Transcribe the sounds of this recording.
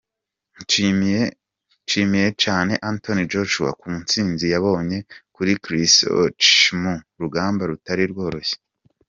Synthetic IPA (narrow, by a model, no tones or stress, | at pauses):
t͡ʃimije̞t͡ʃaːne̞ʔantonid͡ʒoʃuwa̰kumunt͡siːnzijaβo̞ːɲe̞kuɾikɾiso̰t͡ʃmuɾuɡaːmbaɾutaɾiɾɡo̞ːɾo̞çe̥